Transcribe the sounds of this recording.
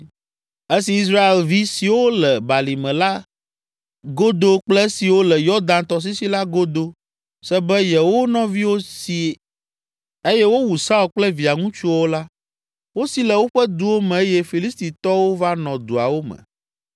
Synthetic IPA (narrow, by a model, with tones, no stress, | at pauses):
e˦si˨i˦s̬ɾa˦e˨lvi˦si˨wo˦lɛ˨ba˨li˨mɛ̃˨la˦ | ɡo˦d̪o˦k͡plɛ˦si˨wo˦lɛ˨jɔ˦d̪ã˨˦nt̪ɔ˨s̬i˦si˦la˦ɡo˦d̪o˦ | sɛ˦bɛ˦jɛ˨wo˦nɔ̃˦vi˦wo˦si˨ | e˦jɛ˦wo˦wu˨sa˦o˨k͡plɛ˦vi˨a˨ŋũ˦t͡ʃu˦wo˦la˦ | wo˦si˦lɛ˨wo˦ɸɛ˦d̪u˨wo˦mɛ̃˨e˦jɛ˦fi˨li˦st̪i˨t̪ɔ˦wo˦va˦nɔ̃˨d̪u˨a̰˨wo˦mɛ̰̃˨